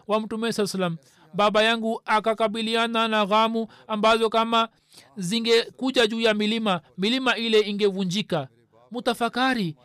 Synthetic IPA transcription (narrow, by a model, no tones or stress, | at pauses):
wam̩tumɛsalsalam̩ | baɓajaŋɡuakakaɓiliananaɣamu | ambazɔkama | ziŋɡɛkuʄaʄuːjamilimamilimailɛiŋɡɛvuɲd͡ʒika | mutafakaɾi